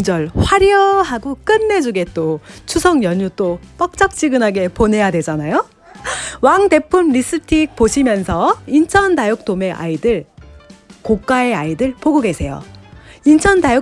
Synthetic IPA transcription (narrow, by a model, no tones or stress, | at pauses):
d͡ʑʌɭɸwaɾjʌɦaɡok͈ɯnːe̞d͡ʑuɡe̞t͈ot͡ɕʰusʰʌŋjʌɲut͈op͈ʌk̚t͡ɕ͈ʌk̚t͡ɕ͈iɡɯnɦaɡe̞ponɦe̞jadwe̞d͡ʑanajo | waŋde̞pʰumɾis͈ɯtʰik̚poɕʰimjʌnsʰʌint͡ɕʰʌndajok̚t͈ome̞ʔa̰idɯɭ | kok͈ae̞aidɯɭpoɡoɡe̞sʰe̞jo̰int͡ɕʰʌndajo